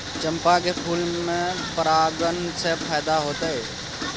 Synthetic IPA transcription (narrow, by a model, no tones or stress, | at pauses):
t͡ʃəmpakepʰuːlmẽpəɾaɡənsepʰajd̪aɦoːt̪əj